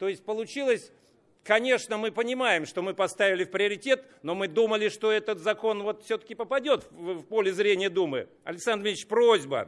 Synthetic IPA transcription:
t̪o̞ɪsʲt̚ʲpəlˠʊt͡ɕilˠəsʲ | kɐnʲe̞ʂnəmɨpənʲɪmajɪmʂt̪o̞mɨpɐst̪avʲɪlʲɪfpɾʲɪəɾʲɪtʲe̞t̪ | no̞mɨd̪uməlʲɪʂt̪o̞ɛt̪ət̪zɐko̞nvo̞t̪fsʲɵt̪ə̥kʲɪpəpɐdʲo̞t̪fvpolʲɪzɾʲenʲɪjəd̪umɨ̰ | ɐ̰lʲɪksand̪ɾvʲminʲt͡ɕpɾozʲbə̰

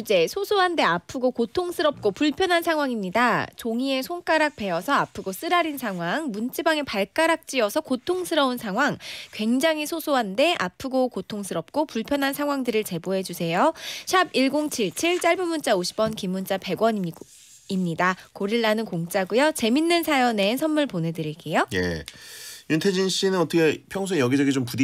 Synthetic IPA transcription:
d͡ʑe̞sʰosʰoɦande̞apʰɯɡokotʰoŋsʰɯɾʌp̚k͈opuɭpʰjʌnɦansʰaŋwaŋimɲidat͡ɕoŋie̞sʰoŋk͈aɾak̚p͈e̞ʌsʰʌapʰɯɡos͈ɯɾaɾinsʰaŋɦwaŋmunt͡ɕ͈ibaŋe̞paɭk͈aɾak̚t͡ɕ͈iʌsʰʌkotʰoŋsʰɯɾʌunsʰaŋɦwaŋkwe̞ŋd͡ʑaŋisʰosʰoɦande̞ʔa̰pʰɯɡokotʰoŋsʰɯɾʌp̚k͈opuɭpʰjʌnɦansʰaŋwaŋdɯɾɯɭt͡ɕe̞boɦe̞d͡ʑusʰe̞joɕʰabiɭɡoŋt͡ɕʰiɭt͡ɕʰiɭt͡ɕ͈aɭbumunt͡ɕ͈aoɕʰi̥p͈ʌnkimːunt͡ɕ͈ape̞ɡwʌni | imɲidakoɾiɭːanɯnkoŋt͡ɕ͈aɡujʌt͡ɕe̞minːɯnsʰajʌnesʰʌnmuɭpone̞dɯɾiɭk͈e̞jojḛ | juntʰed͡ʑinɕ͈inɯnʌtʰʌkʰepʰjʌŋsʰuejʌɡid͡ʑʌɡit͡ɕompudi

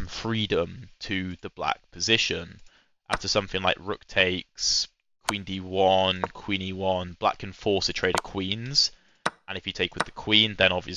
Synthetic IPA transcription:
ə̃ɱfɹiːdə̃mtʰəðəbla̰k̚pʰəzɪʃə̃n | ʔa̰ftəsʌ̃mθɪ̃ŋlaɪkɹʊk̚tʰeɪks | kʰw̥ĩːndiwʌnkʰw̥ĩːniwʌ̃nb̥la̰kʰə̃nfɔˑsətʰɹ̥eɪɾə̥kʰw̥ĩːnz̥ | ʔə̃ñɪfjətʰeɪkwɨðəkʰw̥ĩːnðə̃ñɒbviə

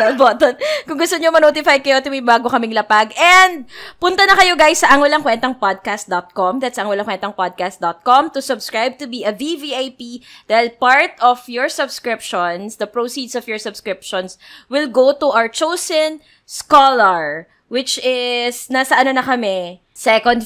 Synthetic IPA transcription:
ɐboːt̪ɔnkʊŋɡʊst̪oɲomɐnoːt̪ɪfaj̪̚kɐjot̪ʊmibaːɡokɐmɪŋlɐpaɡɛnd̪̚pʊnt̪ɐnɐkɐjoɡajsːɐʔɐŋwɐlaŋkwɛnt̪ɐŋpad̪̚kast̪̚d̪ɔt̪̚kɔmd̪at̪sɐɐŋwɐlaŋkwɛnt̪ɐŋpad̪̚kast̪̚d̪ɔt̪̚kɔmt̪ʊsʊbskɹajb̚t̪ʊbiɐviviajpid̪̥ajlpaɹt̪ɔfjɔɹsɐbskɹɪpʃɔnsd̪ɐpɹosid̪sɔfjɔɹsʊbskɹɪp̚ʃɔnswɪlɡot̪ʊʔawɹt͡ʃowsɛn | skɔlɐɹ | wɪt͡ʃɪsnasɐʔɐnonɐkɐmɛ | sɛkɔnd̪

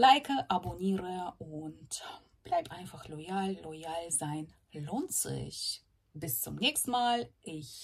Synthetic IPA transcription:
laɪkʰəʔaboniːʁəʔʊnt | b̥laɪptʔaɪnfaχlɔjaːlːɔjaːlzaɪn | loːntz̥ɪ̰ç | b̥ɪst͡sʊmnɛːçstn̩maːlʔɪç

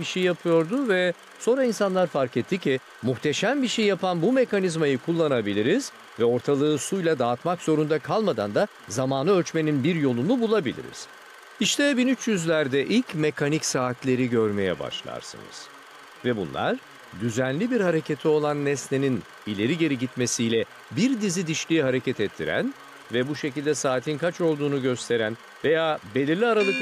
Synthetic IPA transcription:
biʃejjapʰɯjo̞ɾd̪ʊvɛ | so̞nɾainsanlˠaɾfaɾcɛt̪ʰːicʰi | muxt̪ʰeʃæmbiʃejjapʰanbume̞kanizmajɯkʰulˠːanabilʲiɾiz̥ | vɛo̞ɾt̪ʰalˠɯːsujlʲˠad̪aːt̪makz̥o̞ɾund̪akʰalˠmad̪a̰nd̪a | zamaːnɯølʲt͡ʃme̞ninbiɾjo̞lˠunubulˠabilʲḭɾḭz̥ | iʃt̪ʰɛbinyt͡ʃjyzlʲæɾd̪ɛʔilʲcmekʰanicsaːt̪lʲe̞ɾiɟø̞ɾme̞jɛ̰ba̰ʃlˠa̰ɾsɯ̰nɯ̰z̥ | vɛbṵnlˠa̰ɾ | d̪yzænlʲibiɾhaɾe̞cʰet̪ʰio̞lˠanːɛsle̞nin | ilʲe̞ɾiɟe̞ɾiɟit̪me̞sijlʲɛ | biɾd̪izid̪iʃlʲiiɦaɾe̞cɛt̪ʰɛt̪ʰːḭɾæ̰n | vɛbuʃe̞cilʲd̪ɛsaːt̪ʰinkʰat͡ʃo̞lˠd̪uːnuɟø̞st̪ʰe̞ɾæn | ve̞jaːbe̞lʲiɾlʲiaɾalˠɯk

